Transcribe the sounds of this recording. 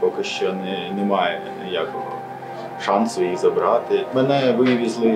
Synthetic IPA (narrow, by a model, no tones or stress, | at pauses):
pɔkɪʃt͡ʃɔjnɛnɛmɑjɛnʲijakɔɦɔ̰ | ʃɑnsɔʋɐjiɣzɐbɾɑt̪ɪmɛnɛʋɪʋʲizlˠɪ